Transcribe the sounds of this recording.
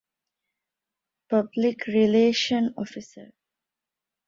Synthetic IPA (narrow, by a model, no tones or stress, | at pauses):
pʌblɪkɾileːʃə̃nɔ̰fisə̰ɾ